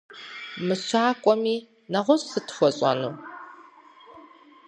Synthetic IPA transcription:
mɨɕʷaːkʷʼɔmiː | nɐʁʷɔɕʼsɨtʰxʷɔɕʼa̰nuː

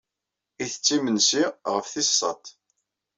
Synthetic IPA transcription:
iθə̥t͡sːimənsiʁəfθisˤːɑ̰t̪

